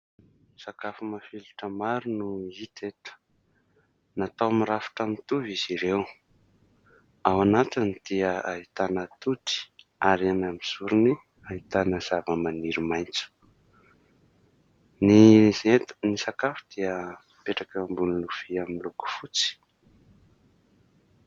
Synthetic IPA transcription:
sakafumafiluʈ͡ʂəmaɾunuit̪et̪ə̥ | nat̪awmiɾafi̥ʈ͡ʂamit̪uviziɾew | awanat̪inid̪̥iəait̪anət̪ut̪i̥ | aɾianamisuɾini | aɦit̪anəz̥avəmaniɾimajnt͡su̥ | niet̪nisakafu̥d̪̥iə | peʈ͡ʂakəmbunilufiamiluku̥fut͡si̥

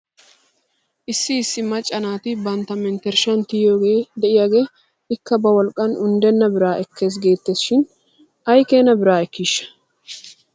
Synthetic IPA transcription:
ʔɪsːɪːsːɪmɐt͡ʃʼːɐnaːt̪ɪbɐnt̪ːɐmɛnt̪ɛɾʃɐnt̪ɪjjoːɡe̞ːd̪ɛʔɪjaːɡe̞ː | ɪkːɐbɐwɔlkʼːɐnʊnd̪ɛnːɐbɪɾaːʔɛkːe̞ːs̬ɡe̞ːt̪ːeːsɪ̥ʃɪn | ɐjke̞ːnɐbɪɾaːɛkːiːʃːɐ̥

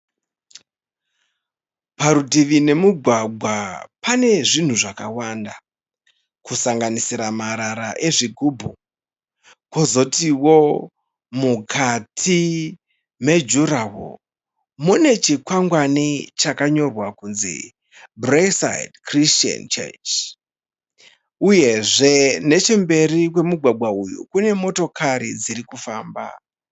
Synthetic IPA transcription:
paɾutiʋine̞muɡʱwaɡʱwapane̞ʐin̤uʐakawaːnda | kusaŋɡanisiɾamaɾaɾaʔe̞ʐiɡʱubʱu | kozo̞tiwo | mukʰatʰi | me̞d͡ʒurawo̰ | mune̞t͡ʃikwaŋɡwanit͡ʃakaɲo̞rwakunzḭ | bresa̰jdkrist͡ʃa̰nt͡ʃḛt͡ʃ | uje̞ʐe̞ne̞t͡ʃe̞mbe̞rik̬we̞muɡʱwaɡwaujṵkune̞mo̞to̞kʰaɾḭd͡ziɾikufaːmba̰

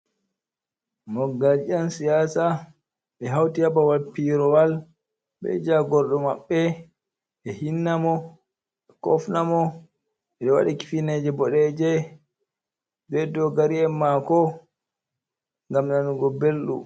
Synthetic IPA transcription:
mɔɡalansijaːsa | ɓɛɦawtijabawalpiɾɔwal | ɓɛ̰d͡ʒaɡɔɾɗɔmaɓːɛ | ɓɛhinːamɔ | ɛkɔ̰fnamɔ | ɛɗɛwa̰ɗiki̥finɛd͡ʒɛbɔɗɛd͡ʒɛ | bɛdɔɡaɾiɛmːakɔ | ŋɡamnanuɡɔbelɗṵ

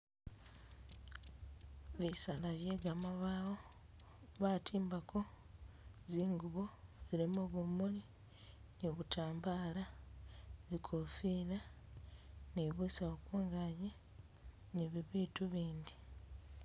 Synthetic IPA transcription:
βisalaβje̞ːɡamaβaːwo̞ | βatʰiːmbakʰo̞ | ziːŋɡuβoziɾimoβumuli | niβutaːmbaːla | zikʰofila | niβusaokuːŋɡaje | neβiβiːtuβiːndi

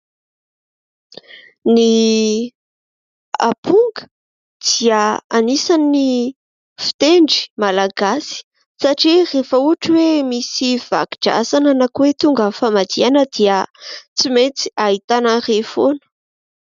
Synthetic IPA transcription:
ni | a̰puŋɡə̥ | d̪̥iəanisani | fi̥t̪eɳɖ͡ʐi̥malaɡasi̥ | saʈ͡ʂirefəuaʈ͡ʂiwemisiv̥a̰ɡi̥ɖ͡ʐa̰sananakuwet̪uŋɡəfamad̪ianəd̪̥iət͡simet͡si̥aɦit̪anərefonə̥

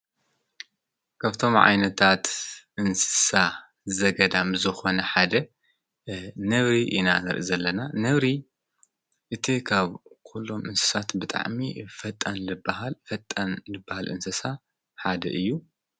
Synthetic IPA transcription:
kʰɐβt̪ʰo̞mʕa̰jnɐt̪ʰat̪ʔɨnsɨ̥sa | zɐɡɐd̪amzɨxo̞nɐħad̪ɐ | nɐβɾiʔinanɨɾʔizɐlːɐnanɐβɾi | ʔɨt̪ʰikʰaβkʰulːomʔɨnsɨ̥sat̪bɨt̪ʼa̰ʕmifɐt̪ʼːɐnlɨbaɦalfɐt̪ʼːɐnlɨbːahalʔɨ̰nsɨsa | ħad̪ɐ̰ʔɨjːu

